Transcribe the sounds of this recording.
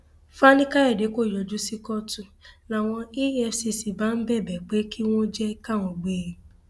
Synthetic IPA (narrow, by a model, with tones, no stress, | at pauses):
fa˦nĩ˦ka˦ɛ˦˨de˨˦ko˦˨jɔ˧˨d͡ʒu˦si˦kɔ˦tũ˦˨nã˨w̃ɔ̃˧i˦ɛ˧si˧si˨ba˨˦n̩˦bɛ˦˨bɛ˨k͡pe˨˦ki˦w̃ɔ̃˦d͡ʒɛ˦ka˦˨w̃ɔ̃˧ɡ͡beː˦˨